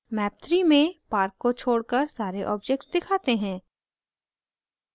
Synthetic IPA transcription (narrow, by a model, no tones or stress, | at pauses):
mɛːp̚t̪ʰɾimẽpaːɾkːot͡ʃʰoːɽkəɾsaːɾeʔɔːbd͡ʒɛk̚ʈsd̪ɪkʰaːt̪eɦɛ̃ː